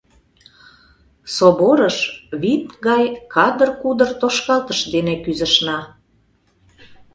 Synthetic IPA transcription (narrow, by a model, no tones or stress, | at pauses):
soboɾəʃβit̪̚ɡɑjkɑd̪ərkud̪ərt̪oʃkɑlt̪əʃd̪enekyzə̆ʃnɑ